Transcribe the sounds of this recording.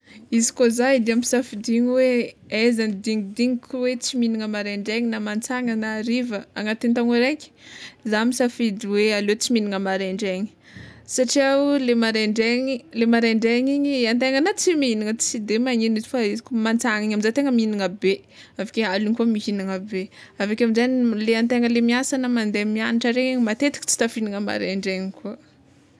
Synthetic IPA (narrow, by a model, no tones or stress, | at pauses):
izi̥kozaid̪iamisafid̪iɲiweezanid̪iŋid̪iŋikʰuwet͡siminiŋəmaɾeɳɖ͡ʐeɲinamant͡saŋanəɾivəaŋat̪ent̪aŋoɾekʲi̥zamisafid̪iwealet͡siminiŋəmaɾeɳɖ͡ʐeɲi̥ | saʈ͡ʂiaulemaɾeɳɖ͡ʐeɲilemaɾeɳɖ͡ʐeɲiɲiant̪eŋənat͡simiiniŋə̥t͡sid̪emaɲinizi̥faizkumant͡saŋiɲaminzat̪eŋəminiŋəbe | avi̥kʲealiŋkuəmiɦiniŋəbeavakʲamizanileant̪eŋəlemiasanəmand̪emianiʈ͡ʂaɾeɲiɲimat̪et̪i̥kʲt͡si̥t̪afiniŋəma̰ɾḛɳɖ͡ʐeɲikʰuə